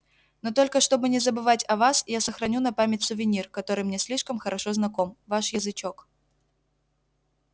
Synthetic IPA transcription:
not̪olʲkəʂt̪obɨnʲɪzəbɨvatʲɐvasjasɐxɾɐnʲunɐpamʲɪtʲsʊvʲɪnʲirkɐt̪oɾɨjmnʲɛsʲlʲiʂkəmxɐɾʔɐʂɔznɐkɔmvaʂjɐzɨt͡ɕɔk

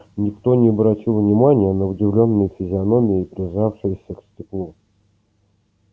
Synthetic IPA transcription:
nʲɪkt̪o̞nʲɪɐbɾɐtʲilˠnʲɪmanʲɪjənəʊdʲɪvlʲo̞nːɨjfʲɪzʲɪɐno̞mʲɪɪpɾʲɪzafʂɨjəsʲəksʲtʲɪklˠu

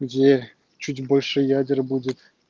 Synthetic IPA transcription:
jʲe | t͡ɕutʲbolʲʂɤ̆jɑdʲɤ̆rʲbudʲɘ̆t̪ʲ

